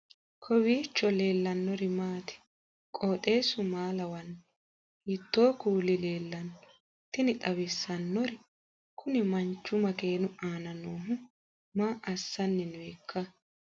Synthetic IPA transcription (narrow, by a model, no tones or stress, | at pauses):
kʰɔwiːt͡ʃːɔle̞ːlːɐnːɔɾɪmaːt̪ɪ̥ | kʼoːt̪ʼe̞ːsʊmaːlɐwɐnː | ɪt̪ːo̞ːkuːlɪle̞ːlːɐnɔ | t̪ɪnɪt̪ʼɐwɪsːɐnːɔɾɪ | kʰʊnɪmɐnt͡ʃːʊmɐke̞ːnʊaːnɐnoːɦʊ | maːʔɐsːɐnːɛnekʰːɐ